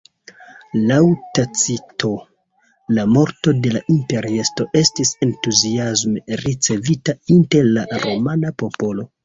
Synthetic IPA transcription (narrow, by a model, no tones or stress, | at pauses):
lawtat͡sitʰo̞ | lamo̞ɾto̞de̞laʔimpe̞ɾiesto̞ʔe̞stise̞ntuziazmeɾit͡se̞vitainte̞ɾlaɾo̞manapo̞po̞lo̞